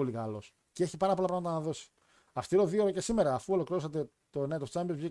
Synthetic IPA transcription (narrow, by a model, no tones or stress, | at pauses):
olikɐlo̞s | ceeçipɐɾɐp̬o̞lɐpɾɐamɐt̪ɐnɐðo̞si̥ | ɐst̪iɾo̞ðioɾoce̞simeɾɐːfuo̞lo̞kɾiɾosɐt̪e̞ | t̪onet̪ot͡sɐmbiozʝi